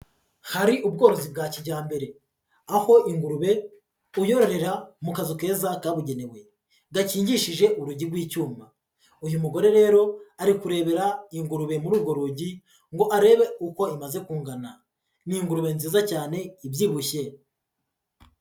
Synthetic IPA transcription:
haɾiʔub̚ɡo̞ːɾo̞zib̚ɡaːciɟaːmbe̞ɾe̞ | aho̞ʔiŋɡuɾuβe̞ | ujo̞ɾo̞ɾe̞ɾamukazuke̞ːzakaβuɟe̞ne̞we̞ | ɡaciːɲɟiʃiʒe̞ʔuɾuɟiɾɡwiːcuːmba | ujumuɡo̞ɾe̞ɾe̞ːɾo̞aɾikuɾe̞ːβe̞ɾaiŋɡuɾuβe̞muɾuːbɡo̞ɾuɟi | ŋɡo̞ʔaɾe̞ːβe̞uko̞imaze̞kuːŋɡana | niŋɡuɾuβe̞nziːzacaːne̞ibjiːβuçe̞

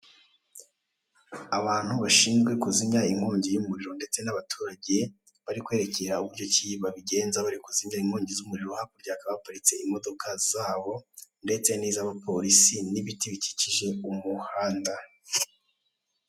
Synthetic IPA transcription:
aβaːn̥huβaʃiːnzɡwe̞kuziɲaiŋ̥hoːɲɟijumuɾiɾo̞nde̞t͡se̞naβatʰuːɾaɟe̞ | βaɾikwe̞ːɾe̞ce̞ɾauβuɾɟo̞ciiβaβiɟe̞ːnzaβaɾikuziɲaiŋ̥hoːɲɟizumuɾiɾohakuɾɟaːkaβaβapaɾit͡se̞imo̞do̞kʰazaːβo̞nde̞t͡se̞niːzaβapo̞ɾisiniβitiβici̥ciʒe̞umuhaːnda

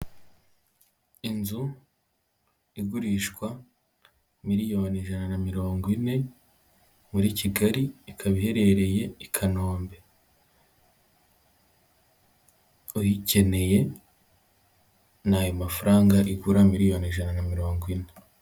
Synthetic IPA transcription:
inzu | iɡuɾiːʃkwa | miɾijo̞ːniʒananamiɾo̞ːŋɡwine̞ | muɾiciɡaɾiikʰaβihe̞ɾe̞ɾe̞je̞ikʰano̞ːmbe̞ | ujice̞ne̞je̞ | najomafaɾaːŋɡaʔiɡuɾamiɾijo̞ːniʒananamiɾo̞ːŋɡwine̞

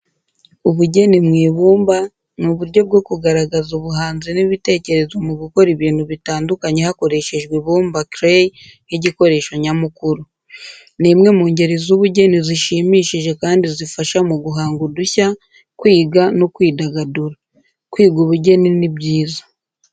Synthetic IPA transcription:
uβuɟe̞nimŋiːβuːmba | nuβuɾɟo̞b̚ɡo̞kuɡaɾaɡazuβuɦaːnziniβite̞ce̞ɾe̞zwamuɡuko̞ɾiβiːn̥huβitaːndukaɲe̞hako̞ɾe̞ʃe̞ʒɡwiβuːmbakɾej | jiɟiko̞ɾe̞ːʃoɲamukuɾu | nimŋe̞muːɲɟe̞ɾezuβuɟe̞niziʃimiːʃiʒe̞kaːndizifaʃamuɡuɦaːŋɡuduça | kwiːɡanokwiːdaɡaduɾa | kwiːɡuβuɟe̞ninibɟiːzḁ

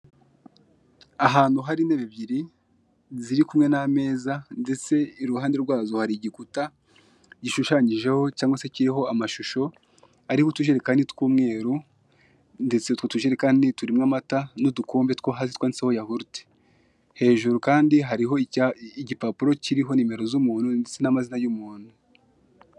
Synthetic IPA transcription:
aɦaːn̥huɦaɾineβeβjiɾi | ziɾikumŋe̞name̞ːzande̞t͡se̞iɾuhaːnde̞ɾɡwaːzohaɾiɟikuta | ɟiʃuʃaɲiʒe̞ho̞caːŋɡwase̞ciɾiɦo̞amaʃuʃo̞ | aɾihutuʒeɾekaːnditkuːmŋe̞ːɾu | nde̞t͡setwotuʒeɾekaːndituɾimŋamatanodukoːmbe̞tkoɦazitwandiseho̞jahuɾute̥ | he̞ːʒuɾukaːndiɦaɾiɦo̞iɟipapuɾo̞ciɾiɦo̞nime̞ɾo̞zumuːn̥hundet͡se̞namazinajumuːn̥hu

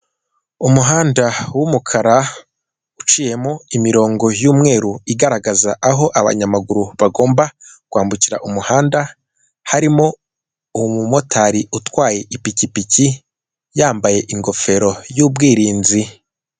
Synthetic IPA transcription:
umuɦaːndawumukʰaɾa | ut͡ʃiːje̞moimiɾo̞ːŋɡo̞juːmŋe̞ːɾuiɡaɾaɡazaʔaɦo̞ʔaβa̰ɲamaɡuɾuβaɡo̞ːmbakwaːmbuciɾa̰ʔumuhaːnda | haɾimo̞ | umumo̞tʰaɾiutwaːje̞ʔipicipici | jaːmbaje̞ʔiŋɡo̞fe̞ɾo̞juːb̚ɡiːɾiːnzi

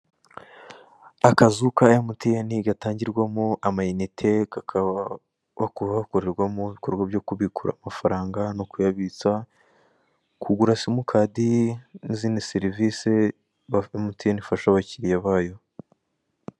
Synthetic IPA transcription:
akazukajamutijeniɡataːɲɟiɾɡwamoamajinitʰekaka | βakuβaβako̞ɾe̞ɾɡwamoβiko̞ɾɡwabjo̞kuβikuɾa̰mafaɾaːŋɡanokujaβit͡sa | kʰuɡuɾasimukʰaːdiniziːniseɾivise̞ | βaomutijenifaʃaβaciɾijaβaːjo

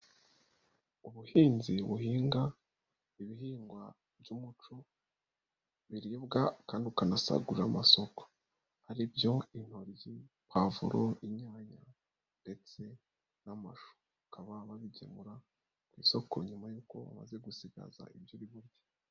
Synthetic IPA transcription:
uβuhiːnziβuɦiːŋɡa | iβiɦiːŋɡwa | bɟuːmut͡ʃo | βiɾibɡakaːndiukanasa̰ɡuɾamaso̞ko̥ | haɾibjo̞in̥ho̞ɾji | pavṵɾoiɲaːɲa | nde̞t͡se̞ | namaʃo̥ | ukʰaβaβaβiɟḛmuɾa | kwḭːso̞ko̞̰ɲumajuːko̞βa̰ma̰ze̞ɡusiɡa̰za̰ʔibjoβiβuɾɟḁ

